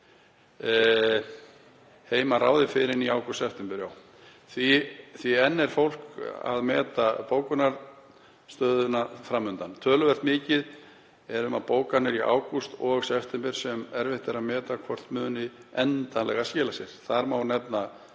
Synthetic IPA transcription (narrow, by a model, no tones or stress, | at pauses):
heːjmaɾra̰ːwðɪfɪɾɪniawkust̪sɛft̪ɛmpɛɾjaw | θviθviɛnːɛɾ̥fowl̥ka̰ðmɛːt̪apoːwkʏnaɾ | st̪œːðʏnafɾamːʏnt̪ant̪ʰœːlʏvɛr̥t̪mɪːcɪð | ɛɾʏmapoːwkanɪɾia̰ːwkust̪ɔɣsɛft̪ɛmpɪɾ̥sɛmɛɾvɪht̪ɪɾaðmɛːt̪akʰvɔr̥t̪mʏːðʏnɪɛnt̪anlɛɣascɛːlasjɛɾ̥θaɾmawnɛpna